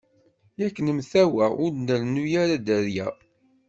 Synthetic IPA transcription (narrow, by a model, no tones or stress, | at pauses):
jækːənəmθæwæʊɾnəlnujæɾad̪æɾjæ